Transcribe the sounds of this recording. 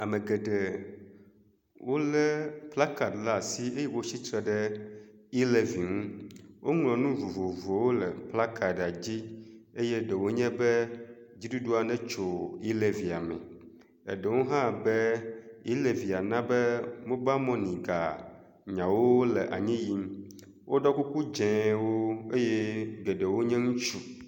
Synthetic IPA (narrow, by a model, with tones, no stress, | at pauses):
a˨mẽ˨ɡɛ˨ɖe˨ | wʔo˦lɛ˦pla˦ka˨dla˦˨si˦e˦jɛ˦wo˦t͡ɕi˦t̪ɾɛ˦ɖɛ˦ | i˦le˨vi˨ŋũ˦wʔo˦ŋlɔ̃˨nũ˦vo˨vo˨vo˨wo˦lɛ˨pla˦kʰa˨da˨d͡ʑi˦e˦jɛ˦ɖɛ˨wo˦ɲɛ̃˦bɛ˦ | d͡ʑi˦du˦ɖu˦a˨nɛ̃˦t͡ʃo˨i˦le˨vi˨a˨mɛ̰̃˨ | ɛ̰˨ɖɛ˨wo˦ɦã˦˨bɛ˦i˦le˨vi˨a˨nã˦bɛ˦mõ˦ba˦mɔ̃˦nĩ˨ɡa˨ | ɲã˨wo˦le˨ʔa̰˨ɲĩ˦ji˦m˦ | wʔo˦ɖɔ˦ku˦ku˦d͡ʒɛ̃˨wo˦e˦je˦ɡe˨ɖe˨wo˦ɲɛ̃˦ŋũ˦t͡ʃu˦